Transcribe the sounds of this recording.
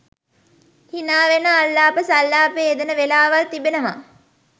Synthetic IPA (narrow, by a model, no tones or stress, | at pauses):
hinaːʋenəːlːaːpəsalːaːpeːed̪ənəʋelaːʋalt̪ibenəma